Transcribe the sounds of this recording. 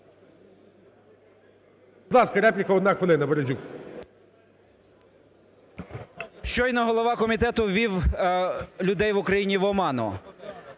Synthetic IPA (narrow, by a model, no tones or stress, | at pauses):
bd̪lˠɑskɐɾɛpʲlʲɪkɐɔd̪nɑxʋelˠɪnɐbeɾezʲuk | ʃt͡ʃɔinɐɦɔlˠɔʋɑkɔmʲit̪ɛt̪ʊʋʲiw | lʲʊd̪ɛjʋʊkɾɐjinʲiʋɔmɑnɔ̰